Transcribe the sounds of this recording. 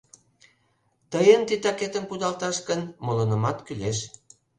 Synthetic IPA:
t̪əjənt̪it̪ɑket̪ə̆npud̪ɑlt̪ɑʃkə̆nmolonə̆mɑt̪kyleʃ

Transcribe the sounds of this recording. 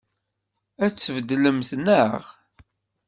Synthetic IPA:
æt͡sːəvəd̪ləmθnəʁ

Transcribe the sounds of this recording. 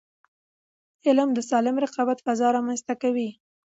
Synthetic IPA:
ɪlmd̪əsɑlɪmɾɪqɑbat̪fazɑɾɑmanzt̪akawi

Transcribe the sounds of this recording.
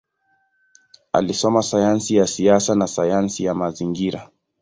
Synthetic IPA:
a̰lisɔmasajansijasiasanasajansijamaziŋɡiɾa

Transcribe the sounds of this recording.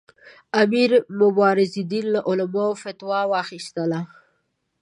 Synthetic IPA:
amiɾmʊbɑɾɪzid̪inlaʔʊlamaofat̪wɑwɑxist̪əla

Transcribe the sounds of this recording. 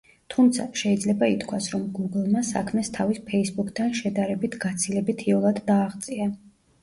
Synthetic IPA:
t̪ʰumt̪sʰa̰ʃɛid̪zlɛbait̪ʰkʰwasɾɔmɡuɡlˠmasa̰kʰmɛst̪ʰavispʰɛisbukʰt̪ʰanʃɛd̪aɾɛbit̪ʰɡ̥at̪sʰilɛbit̪ʰiɔlˠad̪ːaːʁt̪sʼia

